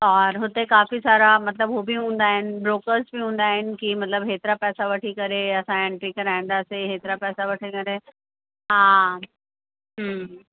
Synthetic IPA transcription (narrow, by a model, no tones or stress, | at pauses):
ɔːɾɦʊt̪ekaːfisaːɾamɐt̪ləbɦobʱiɦũːnd̪aːɦɪnɪ̆bɾoːkəɾsbiɦũːnd̪aːɦɪnɪ̆kimɐt̪ləbɦeːt̪ɾapɛːsaʋɐʈʰikəɾeɐsãẽɳʈɾikɐɾaɦĩnd̪aːseɦeːt̪ɾapɛːsaʋɐʈʰikəɾe | ɦã | ɦə